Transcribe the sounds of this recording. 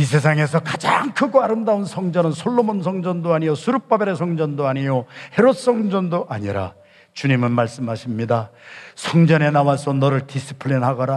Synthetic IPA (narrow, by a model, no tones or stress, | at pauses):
is̬ʰe̞s̬ʰaŋe̞sʰʌkad͡ʑa̰ŋkʰɯɡoaɾɯmdaunsʰʌŋd͡ʑʌnɯnsʰoɭːomonsʰʌŋd͡ʑʌndoaɲijosʰuɾup̚p͈abeɾesʰʌŋd͡ʑʌndoaɲijohe̞ɾod̚s͈ʌŋd͡ʑʌndoʔaɲiɾa̰ | t͡ɕuɲimɯnmaɭs͈ɯmɦaɕʰimɲidasʰʌŋd͡ʑʌne̞nawas͈ʰʌnʌɾɯɭtis͈ʰɯ̥pʰɯɭːinɦaɡʌɾa